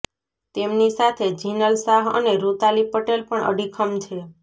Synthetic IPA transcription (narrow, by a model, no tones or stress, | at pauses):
t̪emnisat̪ʰed͡ʒinəlsaɦə̰neɾut̪alipəʈelpəɳə̰ɽikʰəmt͡ʃʰe